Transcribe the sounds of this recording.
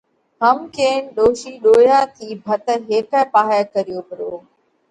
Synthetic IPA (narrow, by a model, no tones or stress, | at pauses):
ɦɐmkeːnɗoːʃiːɗoːjat̪ʰiːbʱɐt̪ɦeːkəpaːɦjakɐɾijoːbɪɾoː